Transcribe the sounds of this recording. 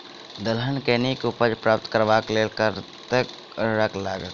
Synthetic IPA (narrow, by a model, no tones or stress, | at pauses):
d̪əlɦənkenikupəd͡ʒpɾaːp̚t̪kəɾʋaːklelkəɾt̪ek | ɾəklaːɡət̪